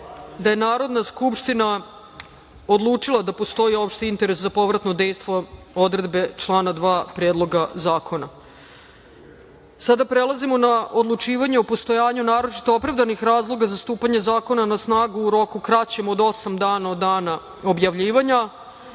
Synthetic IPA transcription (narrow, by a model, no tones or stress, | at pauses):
d̪aje̞naːɾo̞d̪naskupʃt̪ina | od̪lˠuːt͡ʂilˠad̪apo̞st̪o̞io̞pʃt̪eint̪e̞ɾe̞szapo̞ʋɾat̪nod̪ejst̪ʋo̞ | o̞d̪ɾe̞d̪be̞t͡ʃlˠaːnad̪ʋaːpɾjeːd̪lˠo̞ɡazaːkʰo̞na̰ | sad̪apɾe̞lˠazimo̞naʔod̪lˠut͡ʂiːʋaɲeopo̞st̪o̞jaːɲunaːɾo̞t͡ʃi̥t̪o̞opɾavd̪anixɾaːzlˠo̞ɡazast̪uːpaɲe̞zaːko̞nanasnaːɡuːɾo̞kukɾat͡ɕe̞mo̞d̪o̞samd̪aːnaod̪aːna | o̞bjaʋʎiːʋaɲa